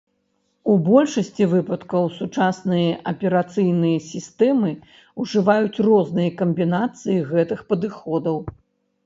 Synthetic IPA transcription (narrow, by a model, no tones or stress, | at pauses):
ubɔlʲʂɐsʲt͡sʲivɨpɐt̪kɐwsut͡ʂasnɨjɐʔɐpʲɛɾat̪sɨjnɨjɐsʲist̪ɛmɨ | uʐɨvajut͡sʲrɔznɨjɐkɐmbʲinat̪sɨjiɣɛt̪ɨxpɐd̪ɨxɔd̪ɐw